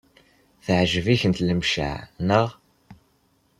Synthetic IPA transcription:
θəʕʒəviçənt̪ləmʃa̰ʕnəʁ

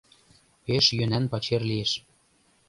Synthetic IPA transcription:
peʃjønænpɑt͡ɕerlieʃ

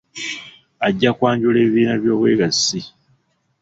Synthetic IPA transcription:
aɟːakwaːɲɟule̞ːβiːnaβjo̞ːβwe̞ːɡasːi

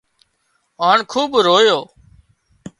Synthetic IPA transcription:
ɦaːɳkʰuːbɾoːjoː

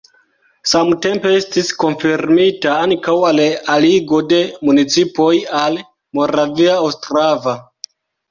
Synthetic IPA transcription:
samte̞mpe̞estisko̞nfiɾmitaaŋkawalaliɡo̞de̞munit͡sipo̞jal | mo̞ɾaviaawstɾava

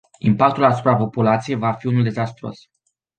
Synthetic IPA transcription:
impak̚t̪ulasu̥pɾapo̞pulat̪sije̞jvafiunuld̪e̞zast̪ɾo̰s

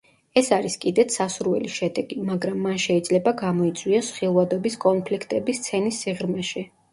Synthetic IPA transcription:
ɛsaɾiskʼid̪ɛt̪ʰsasuɾvɛ̰liʃɛd̪ɛɡ̥imaɡɾamːanʃɛid̪zlɛbaɡamɔit̪sʼwiasχilˠvad̪ɔbiskʼɔnpʰlikʰt̪ʼɛbist̪sʰɛnisːiʁɾmɛʃɛ

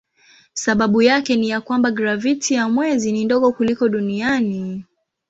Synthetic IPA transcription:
saɓaɓujakɛnijakwambaɡɾavitʰijamwɛzinindɔɠɔkulikɔɗuniani

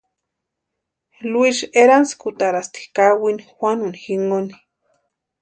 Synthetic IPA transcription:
luiʃeɾanskut̪aɾast̪i̥kawinixʷwʷanunixiŋoni̥

